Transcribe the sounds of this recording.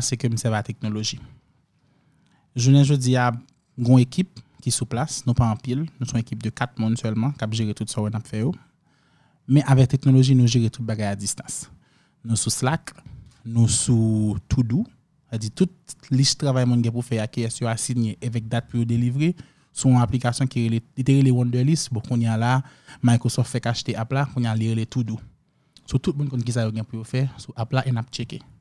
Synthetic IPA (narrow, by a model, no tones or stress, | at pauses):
sekøm̩sɛvat̪ɛk̚noloʒi | ʒunɛʒod͡zia | ɡɔ̃ekʰip̚kisuplasnũpaɑ̃pilnũsɔ̃ekip̚d̪økat̪̚mũnsœlmɑ̃kapʒeʁet̪ut̪sajonapfɛjo | mɛ̃ʔavɛk̚t̪eknoloʒinũʒeʁet̪ut̪̚baɡajad͡zist̪ɑ̥̃s | nũsuslak | nũsut̪ʰudu | ad͡zit̪ut̪̚liʃt̪ʁavajmũnɡɛ̃pufɛakiɛsjoasiɲeʔavɛk̚d̪at̪̚pujod̪elivʁe | sũɔ̃aplikasjɔ̃kielelit̪eɣelewɔ̃ndɛlistbɔ̃kũnjalamajkosɔft̪fɛkaːʃt̪eʔaplakũnjaaliɣelet̪udu | sot̪ut̪̚mũnkɔ̃nkis̬ajoɡɛ̃pujofɛsuʔaplaʔenap̚t͡ʃeke